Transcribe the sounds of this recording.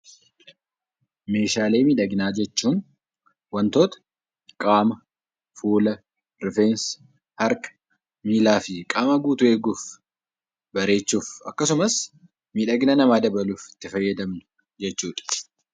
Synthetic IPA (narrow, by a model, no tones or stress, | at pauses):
me̞ːʃaːle̞ːmiːᶑɐɡɪnaːd͡ʒɛt͡ʃːuːn | wɐnt̪o̞ːt̪ɐ̥ | kʼaːmɐ | fuːlɐ | ɾɪfeːns | hɐɾkɐ̥ | miːlaːfɪkʼaːmɐɡuːt̪ʊe̞ːɡuːf | bɐɾe̞ːt͡ʃːuːfɐ̰kːɐsʊmɐs | miːᶑɐɡɪnɐnɐmaːd̪ɐbɐluːfɪ̥t̪ːɪfɐjːɐd̪ɐmnʊ̥ | d͡ʒɛt͡ʃːuːᶑɐ̥